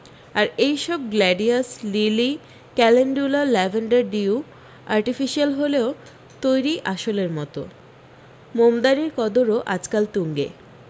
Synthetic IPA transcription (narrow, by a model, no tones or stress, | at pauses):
aɾejʃɔb̚ɡlɛɖiaslili | kɛleɳɖulalɛvʱaɳɖaɾɖiu | aɾʈifiʃialɦoleo | t̪ojɾiʔaʃoleɾmɔt̪o̰ | momd̪aɾiɾkɔd̪oɾoʔa̰d͡ʑkalt̪uŋɡḛ